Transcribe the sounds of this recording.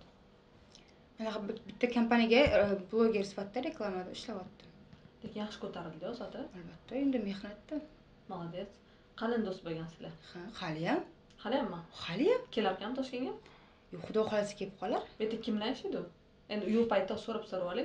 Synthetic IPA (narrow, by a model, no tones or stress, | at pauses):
manaqɑbɪt̪ːakʰampanijaɡʲablˠoɡʲe̞ɾsɪ̥fat̪ːaɾe̞klˠamad̪ɪɪʃlawɒt̪ːɪlekʲɪnjaχʃɪ̥kʰɵt̪ʰaɾɪd̪ɪjɒzat̪ʰɪalbat̪ʰːae̞nd̪ɪme̞hnat̪ːɪ | malˠad̪es | qʰɑlɪnd̪ost̪̚boɡʲansɪ̥lahahalɪjam | halɪjamːaχalɪjamkʲʰe̞lap̚kʲaamt̪ʰɒʃkʲenɡʲa | joχʊd̪ɒχɒlasɪ̥kʲʰeɪ̥p̚qʰɒlaɾbet̪ɪkʲʰɪmlanʃɪd̪ʊ | end̪ɪʊjʊlˠpʰajt̪ːasoɾɪpsoɾwalɪ